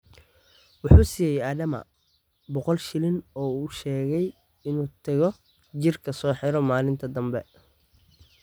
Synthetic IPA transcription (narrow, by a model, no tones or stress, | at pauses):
wɑħuːsiːjɛjaːðɐmɐ̰ | bɔqɔlʃɪlɪnɔːuːʃɛːɣɛj | ɪnuːt̪ʰɐɣɔ | t͡ʃɪrkʰɐsɔːħɪɾɔmaːlɪnt̪ʰɐd̪ɐmbɛ̰